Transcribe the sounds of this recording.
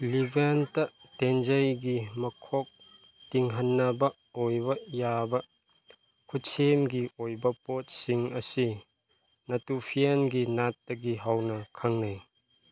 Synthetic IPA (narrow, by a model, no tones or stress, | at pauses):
libʱentɐʔ | tend͡ʒɐjɡimɐkʰɔk̚ | tiŋɦɐnːɐbɐ | ojbɐjabɐ | kʰutsemɡiojbɐpɔt̚siŋɐsi | nɐtupʰienɡinat̚ːɐɡiɦɐwnɐkʰɐŋnaj